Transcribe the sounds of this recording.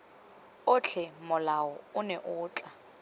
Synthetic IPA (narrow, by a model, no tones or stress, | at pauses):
ʊt͡ɬʰɛmʊlaɔʊnɛʔʊːt͡ɬʼa